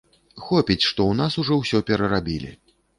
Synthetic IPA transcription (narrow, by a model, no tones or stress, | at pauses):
xɔpʲit͡sʲʂt̪ɔwnasuʐɔwsʲɔpʲɛɾɐɾabʲilʲḭ